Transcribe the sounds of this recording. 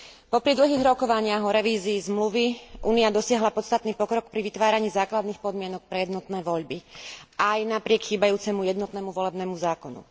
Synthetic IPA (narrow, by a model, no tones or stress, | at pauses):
pɔpɾid̪l̩ɦiːɣɾɔkɔʋaɲɪaɦɔɾɛʋiːziːzmluʋiʔuːniad̪ɔsɪaɦlapɔt̪st̪at̪niːpɔkɾɔk̚pɾiʋit̪ʋaːɾaɲiːzaːklad̪niːxpɔd̪mɪɛnɔk̚pɾɛjɛd̪nɔt̪nɛːʋɔʎbiajnapɾɪɛkxiːbajuːt͡sɛmujɛd̪nɔt̪nɛmuʋɔlɛbnɛːmuzaːkɔnṵ